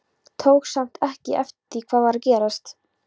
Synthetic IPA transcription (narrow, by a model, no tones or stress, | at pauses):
t̪ʰoːwksam̥t̪ʰɛhcɪʔɛft̪t̪ɪkʰv̥aːðaɾcɛːɾast̪